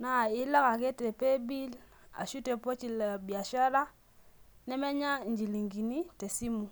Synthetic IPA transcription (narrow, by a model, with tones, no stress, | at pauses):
na˨i˦la˦ka˨ke˦te˨pe˦bi˦l | a̰˨ʃu˦te˨po˦t͡ʃi˨la˨bja˨ʃa˦ɾa˦ | nɛ˦mɛ˦ɲa˦ɲd͡ʒi˨li˨ŋɡi˨ni˦te˨si˦mu˨